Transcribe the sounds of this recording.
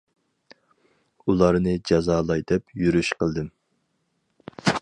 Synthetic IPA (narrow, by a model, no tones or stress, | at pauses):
ulˠɑɾnɨd͡ʒɑzɑːlˠɑjd̪ɛpjyɾyʃqʰəlˠd̪ɨm